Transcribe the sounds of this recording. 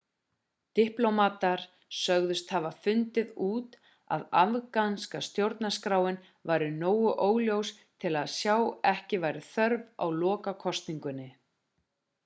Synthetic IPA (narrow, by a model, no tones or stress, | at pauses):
t̪ɪhplowmaːt̪aɾ̥ | sœɣðʏst̪havafʏnt̪ɪðuːt̪ | a̰ðavkanskast̪jowɾt̪naskɾaːwɪn | vajɾʏnoːwʏʔoːwljows | t̪ʰɪlaðsjawɛhcɪvaːjɾɪθœɾva̰wlɔːkakʰɔst̪niŋkʏnːɪ